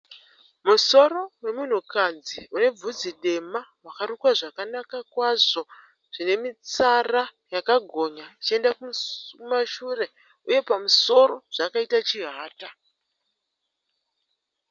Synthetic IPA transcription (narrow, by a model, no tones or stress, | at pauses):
muso̞ɾo̞we̞mun̤ukad͡ziune̞b͡vud͡ziɗe̞mawakaɾukwaʐakanakakwaʐo̞ | ʐ̥ine̞mit͡sarajakaɡʱo̞ɲat͡ʃie̞ndakumaʃure̞ | uje̞pamuso̞ɾo̞ʐ̥akaitat͡ʃiɦaːta